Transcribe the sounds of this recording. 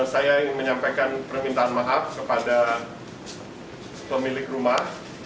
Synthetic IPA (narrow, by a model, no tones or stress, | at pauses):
sajaməɲampajkanpərmint̪aːnmaɦap̚kəpada | pəmilɪkrumah